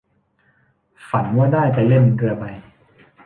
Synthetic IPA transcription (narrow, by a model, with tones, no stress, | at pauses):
fa˩˦nwaː˥˩daː˥˩jt͡ɕ̪ɛ˨˩le˥˩nkɯ˧ɐpa˧j